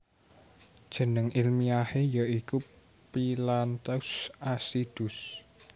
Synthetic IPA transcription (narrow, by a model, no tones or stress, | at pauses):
d̥ʒ̥ə̤nəŋilmiahejaʔiku | pilant̪ɛusasid̪̥ʊs